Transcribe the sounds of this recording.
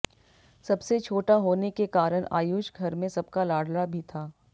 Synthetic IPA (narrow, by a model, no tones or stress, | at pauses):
sɐbset͡ʃʰoːʈaɦoːnekekaːɾəɽ̃a̰ːjuːd͡ʒɡʱɐɾmẽsɐb̚kalaːɽ̤labʱit̪ʰaː